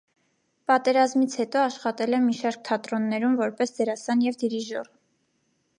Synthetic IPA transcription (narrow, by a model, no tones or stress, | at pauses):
pɑt̪ɛɾɑzmit͡sʰhɛt̪ɔɑʃχɑt̪ɛlɛmiʃɑɾk̚t̪ʰɑt̪ɾɔnːɛɾumvɔɾpɛsd͡zɛɾɑsɑnjɛvd̪iɾiʒɔ̰r